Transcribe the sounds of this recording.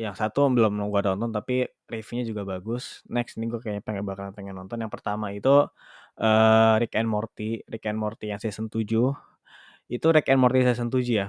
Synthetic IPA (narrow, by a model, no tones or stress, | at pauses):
jaŋsat̪ubəlʊmɡuadɔnt̪ɔnt̪api | rifiɲad͡ʒuɡabaɡʊsnɛksiniɡuakaɲapaŋɡaʔbakanpəŋɛnːɔnt̪ɔnjaŋpərt̪amait̪u | əɾikɛnmɔrt̪iɾikɛnmɔrt̪ijaŋsaɛsənt̪ud͡ʒu | it̪uɾikɛnmɔrt̪isas̬ənt̪ud͡ʒuja